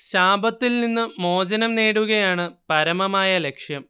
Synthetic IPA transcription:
ɕaːbɐt̪ːilninːɨmo̞ːd͡ʑɐnɐmneːɽuɣɐjaːɳɨpɐɾɐmɐmaːjɐle̞kʂjɐm

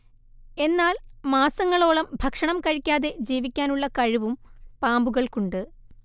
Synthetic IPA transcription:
e̞nːaːlmaːsɐŋːɐɭo̞ːɭɐmbʱɐkʂɐɳɐmkɐɻikʲːaːðe̞d͡ʑiːʋikʲːaːnuɭːɐkɐɻiʋumpaːmbuɣɐɭkuɳɖɨ

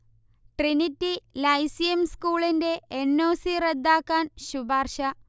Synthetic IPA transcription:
ʈrinitːilɐjsijɐmskuːɭinde̞ːnːoːsired̪ːaːkːaːnɕubaːrɕɐ

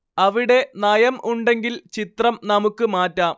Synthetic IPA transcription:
ɐʋiɽe̞nɐjɐmʔuɳɖe̞ŋɡilt͡ɕit̪rɐmnɐmukːɨmaːtːaːm

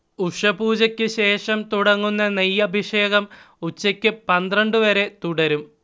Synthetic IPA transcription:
uʂɐbuːd͡ʑɐkʲːɨɕe̞ːʂɐmt̪uɽɐŋːunːɐnijːɐbʱiʂe̞ːɣɐm | ut͡ɕːɐkʲːɨpɐnd̪rɐɳɖɨʋɐɾe̞t̪uɽɐɾum

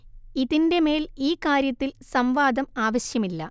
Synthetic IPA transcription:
iðinde̞me̞ːliːkaːɾjɐt̪ːilsɐmʋaːd̪ɐmaːʋɐɕjɐmilːɐ

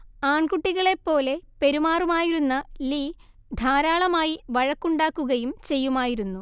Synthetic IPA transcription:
aːɳkuʈːiɣɐɭe̞pːo̞ːle̞pe̞ɾumaːrumaːjiɾunːɐliː | d̪ʱaːɾaːɭɐmaːjiʋɐɻɐkːuɳɖaːkːuɣɐjumt͡ɕe̞jːumaːjiɾunːu

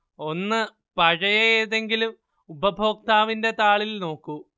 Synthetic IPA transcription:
o̞nːɨ | pɐɻɐjeeːðe̞ŋɡilum | ubʱɐbʱo̞ːk̚t̪aːʋinde̞t̪aːɭilno̞ːkːu

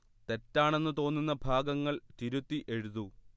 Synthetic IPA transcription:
t̪e̞tːaːɳe̞nːɨt̪o̞ːnːunːɐbʱaːɡɐŋːɐɭt̪iɾut̪ːiʔe̞ɻuðu

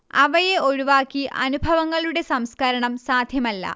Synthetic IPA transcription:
ɐʋɐjeo̞ɻuʋaːkːiʔɐ̰nubʱɐʋɐŋːɐɭuɽe̞sɐmskɐɾɐɳɐmsaːd̪ʱjɐmɐlːɐ̰

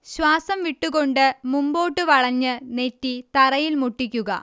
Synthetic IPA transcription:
ɕwaːsɐmʋiʈːuɣo̞ɳɖɨmumbo̞ːʈːɨʋɐɭɐɲːɨne̞tːit̪ɐrɐjilmuʈːikʲːuɣɐ̰

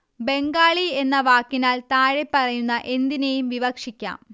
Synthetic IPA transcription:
be̞ŋɡaːɭie̞nːɐʋaːkːinaːlt̪aːɻepːɐrɐjunːɐʔe̞nd̪inejumʋiʋɐkʂikʲːa̰ːm

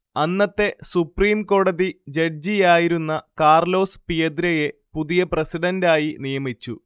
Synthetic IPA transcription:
ɐnːɐt̪ːe̞supriːmko̞ːɽɐðid͡ʑɐɽd͡ʑijaːjiɾunːɐkaːrlo̞ːspijɐd̪ɾɐje̞puðijɐprɐsiɽɐndaːjinijɐmit͡ɕːu

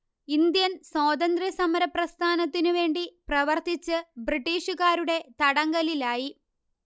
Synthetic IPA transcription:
ind̪jɐnsoːd̪ɐnd̪rɐsɐmɐɾɐprɐst̪ʰaːnɐt̪ːinuʋe̞ːɳɖiprɐʋɐrt̪it͡ɕːɨbriʈːiːʂuɣaːɾuɽe̞t̪ɐɽɐŋɡɐlilaːji

